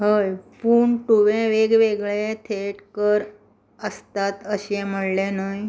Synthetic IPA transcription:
ɦəjfuːɳʈuʋẽʋeɡʋeɡɭet̪ʰeʈkəɾ | əst̪at̪əɕem̤əɽlenaj

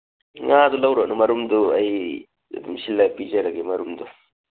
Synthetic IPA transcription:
ŋad̪ulɐwɾɐʔnumɐɾumd̪uɐj | d̪umsilːɐpid͡ʒɐɾɐɡemɐɾumd̪u

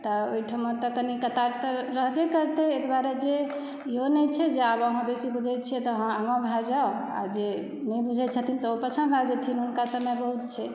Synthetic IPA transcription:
t̪ɔoiʈʰamːəɾt̪ɔkənikət̪aɾt̪əɾəɦd̪ekəɾt̪eek̪baɾed͡ʒe | iɦonɛt͡ʃʰɛd͡ʒeabəɦãbesibud͡ʒʱɛt̪t͡ʃʰiɛt̪ɔɦãamãbʱad͡ʒaoa̰d͡ʒe | nɛbud͡ʒʱɛt̪t͡ʃʰət̪ʰint̪ɔopət͡ʃʰənbʱad͡ʒɛt̪ʰinɦunkasəbmejbəɦut̪̚t͡ʃʰɛ

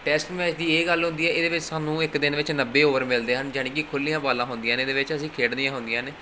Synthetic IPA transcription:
ʈɛːsʈmɛːt͡ʃd̪iːeːɡəlɦʊ̃nd̪iːɛːeːd̪eːʋɪt͡ʃsaːnũːɪkd̪ɪnʋɪt͡ʃnəbːeːoːʋəɾmɪld̪eːɦənd͡ʒəneːkikʰʊlːijãːbaːlãːɦʊnd̪ijãːneːd̪eːʋɪt͡ʃəsĩːkʰeːɽd̪iãːɦʊ̃nd̪ɪjãːneː

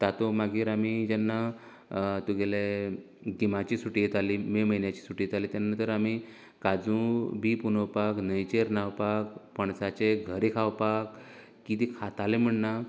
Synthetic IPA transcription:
t̪at̪omaɡiːɾamid͡ʑɛnːa | t̪uɡele | ɡimat͡ɕiːsuʈijet̪alimeməɦinjat͡ɕiːsuʈiːjet̪aliːt̪janat̪əɾami | kad͡zũbʱipunəwpaknəjt͡ɕeɾnawpakpəɳsat͡ɕeɡʱəɾekʰawpak | kit̪ikʰat̪alem̤əɳna

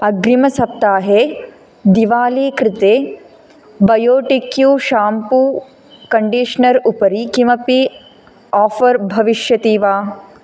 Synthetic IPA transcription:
ɐɡɾimɐsɐp̚t̪aːɦeː | d̪iʋaːliːkɾɪt̪eː | bɐjoːʈikjuːʃaːmpuː | kɐɳɖiːʃnɐɾupɐɾikimɐpi | aːfɐɾbʱɐʋiʃjɐt̪iːʋaː

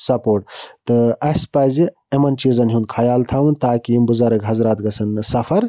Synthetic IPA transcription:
sɐpoːʈt̪ɨɐspɐzi | emɐnt͡ʃizɐnɦund̪̚kʰɐjaːlt̪ʰawunt̪aːkiimbuzaɾɐɡɦɐzɾaːt̪ɡɐsʰɐnsɐfʰɐɾ

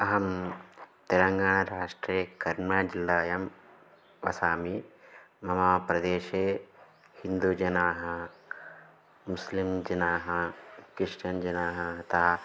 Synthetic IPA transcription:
ɐɦɐm | t̪eɾɐŋɡaːɳ̃ɐɾaːʂʈɾeːkɐɾmaːd͡ʒilːaːjɐm | ʋɐ̰saːmi | mɐmaːpɾɐd̪eːʃeː | hind̪ud͡ʒɐnaːɦɐ | muslimd͡ʒɐnaːɦɐkɾɪʂʈɐnd͡ʒɐnaːɦɐɦɐt̪aː

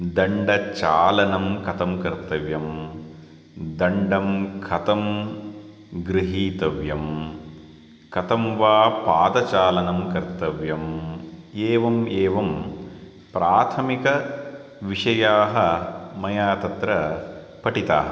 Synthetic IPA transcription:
d̪ɐɳɖɐt͡ʃaːlɐnɐmkɐt̪ɐmkɐɾt̪ɐʋjɐm | d̪ɐɳɖɐmkʰɐt̪ɐm | ɡɾiɦiːt̪ɐʋjɐm | kɐt̪ɐmʋaːpaːd̪ɐt͡ʃaːlɐnɐmkɐɾt̪ɐʋjɐm | eːʋɐmeːʋɐm | pɾaːt̪ʰɐmikɐ | ʋiʂɐjaːɦɐ̆mɐjaːt̪ɐt̪ɾɐ | pɐʈit̪a̰ːɦɐ

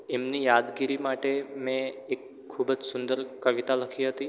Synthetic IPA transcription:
emnijad̪ɡiɾimaʈemẽekʰːubəd͡ʒsʊnd̪əɾkəʋit̪aləkʰiɦət̪i

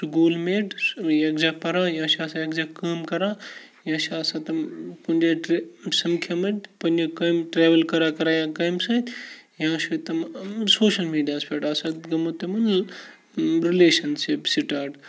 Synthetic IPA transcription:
sɡoːlmeːʈjɐkd͡ʒaːpɐɾãːjãːʃasãjɐkd͡ʒaːkɐːmkɐɾãːjãːʃaɐsãt̪ɐmpɐnʲd͡ʒeʈsɐmkʰjɐmɐtpɐnd͡ʒekɐmʈɾeːʋɐlkɐɾaːkɐɾajãːkɐjmsɐːt̪jãːʃit̪ɐmsoːʃɐlmiːɖijaːspʰeːʈaːsɐt̪ɡɐmot̪emɐn | ɾileːʃɐnsipsiʈaːɖ

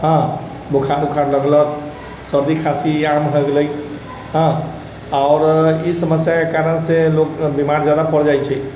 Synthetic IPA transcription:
ɦə̃ | bokʰaɾukʰaɾləɡlət̪̚ | səɾd̪ikʰasiamɦəɡləj | ɦã | aʊɾisəməsjakekaɾənsẽlokbimaɾd͡ʒjad̪apəɾd͡ʒajt͡ʃʰɛ

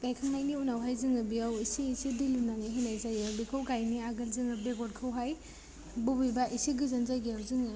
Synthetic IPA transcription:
ɡajkʰaŋnajniunawɦajzɯŋɯbiawisiːsidilunaŋiɦinajzajawbikʰawɡajniaɡɐlzɯŋɯbeɡɔt̚kʰawɦaj | bubibaʔisiɡɯzanzajɡiawzɯŋɯ

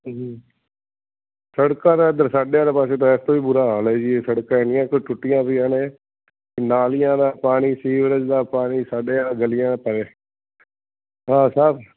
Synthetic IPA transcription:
səɽkãːd̪eːənd̪əɾsaːɖeːaːd̪eːpaːseːt̪õːɛːst̪õːʋiːbʊɾaːɦaːlɛːd͡ʒieːsəɽkãːɛːnɪjãːkɪʈʊʈːɪjãːpːãːnẽː | kɪnaːlɪjãːd̪aːpaːniːsiːʋɾəd͡ʒd̪aːpaːniːsaːɖeːãːɡəlɪjãːpəɾeː | ɦãːsəɾ

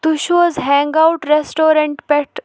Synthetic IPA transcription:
t̪uɕʋəzɦɛ̃ŋɡawuʈɾesʈoɾẽɳʈpɛʈ

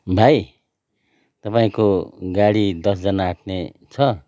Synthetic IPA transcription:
bʱaj | t̪ʌpaĩkoɡaɽid̪ʌsd͡zʌnaːʈʰne | t͡sʰʌ

